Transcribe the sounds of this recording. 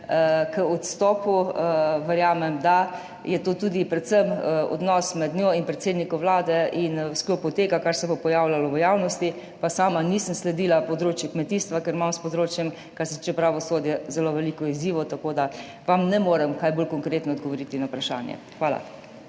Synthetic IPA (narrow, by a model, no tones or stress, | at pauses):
əkəɔt̪st̪ɔːpuəʋɛɾjaːmɛmd̪a | jɛt̪oːt̪ud̪ipɾɛt̪səmɔ̰d̪nɔːsmɛd̪nʲoinpɾɛt̪seːd̪nikɔʋlaːd̪ɛʔinsklopɔt̪eːɡakaɾsɛbopɔjaːwlʲalɔʋəjawnɔst̪i | pasaːmanisəmslɛd̪iːlapɔd̪ɾoːt͡ʃjɛkmɛt̪iːst̪ʋakɛɾmamspɔd̪ɾoːt͡ʃjɛm | kaɾsɛt͡ʃɛpɾaʋɔsoːd̪jɛzɛloʋɛlikɔiziːʋɔt̪akoːd̪a | ʋamnɛmoːɾɛmkajbolkɔŋkɾeːt̪nɔd̪ɡɔʋɔɾit̪inawpɾaʃa̰ːnjɛ̰xʋaːla̰